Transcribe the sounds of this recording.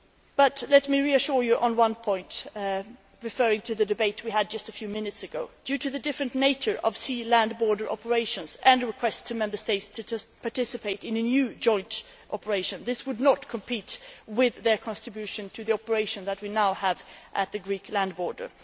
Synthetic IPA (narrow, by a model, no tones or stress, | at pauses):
b̥ʌtlɛtmiɹiɨʃʊɹjɨʔə̃nwʌ̃npʰɔ̃ɪ̃nt | ɹɨfɜɹɪ̃ŋtʰɨðɨdɨbeɪt̚ʰwiɨd̚d͡ʒʌstɨfjʉmɪ̃nɨtsɨɡoʊd̥jʉɾɨðɨdɪfɹɨ̃nneɪt͡ʃə˞ʔʌv̥silæ̃nbɔɹdə˞ʔɑ̰pə˞eɪʃɨ̃nzɨ̃nɹɨkʰw̥ɛstʰɨmɛ̃mbə˞steɪtstʰɨpʰɑɹtɪsɨpʰeɪɾɨ̃nɨnjʉd͡ʒɔ̃ɪ̃nt | ʔɑpə˞eɪʃɨ̃nðɪswədⁿnət̚kʰə̃m̩pʰitwɪðə˞kʰɑ̃ntɹ̥ɨbjʉʃɨ̃ntʰɨðiɑpə˞eɪʃɨ̃nðət̚winaʊəvʔɨt̪̚ðɨɡɹikʰlæ̃nd̚bɔɹdə̰˞